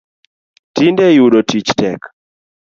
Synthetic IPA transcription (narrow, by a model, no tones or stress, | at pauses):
tindɛjuɗotit͡ʃtɛk